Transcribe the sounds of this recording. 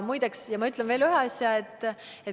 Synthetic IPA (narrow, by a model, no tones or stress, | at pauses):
mujd̪eksjɑmɑyt̪lɛnve̞ːlyɦeɑsʲjɑet̪ːˑ | e